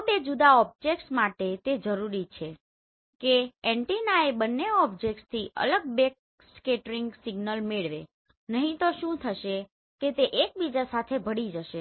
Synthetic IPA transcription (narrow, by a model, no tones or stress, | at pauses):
bed͡ʒud̪aɔb̚d͡ʒek̚ʈsmaʈet̪ed͡ʒəɾuɾit͡ʃʰe | keeɳʈinaebənːeɔbd͡ʒek̚ʈst̪ʰiʔə̰ləɡ̚bek̚ | skeʈəɾiŋɡsiɡnəlmeɭʋe | nəɦĩt̪oʃũt̪ʰəʃe | ket̪eʔek̚bid͡ʒasat̪ʰebʱəɽid͡ʒəʃe